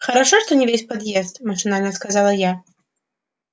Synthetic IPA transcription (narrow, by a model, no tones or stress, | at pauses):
xɐɾaʂɔʂt̪ɔnʲɛvʲesʲpad̪jɛst̪maʂɨnanʲɛskazalˠɐja